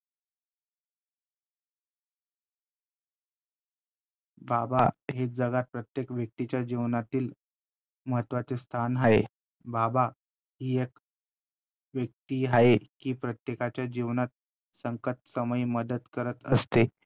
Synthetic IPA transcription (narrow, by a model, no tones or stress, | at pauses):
babaɦed͡zəɡat̪̚pɾət̪jekʋjək̚t̪it͡ɕjad͡ʑiʋnat̪iːl | məɦət̪ʋat͡sest̪ʰanɦaḛ | baba | ɦiːek | ʋjək̚t̪iːɦaekiːpɾət̪jekat͡ɕjad͡ʑiʋnat̪̚ | səŋkət̪səməjməd̪ət̪kəɾət̪əst̪e